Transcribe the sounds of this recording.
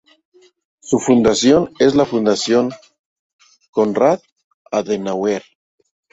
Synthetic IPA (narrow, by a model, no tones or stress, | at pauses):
sufund̪asjonezlafund̪asjoŋ | konrat̪̚ | aðenaweɾ